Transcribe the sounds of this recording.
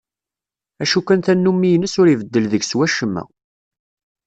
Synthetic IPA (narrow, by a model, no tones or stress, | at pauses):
æʃukænθænːumːijənəsʊɾivəd̪ːəlðəɡswæʃəmːæ̰